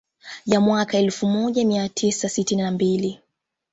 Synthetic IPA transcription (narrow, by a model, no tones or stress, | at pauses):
jamwakaɛlfumɔʄamiatʰisasitininambili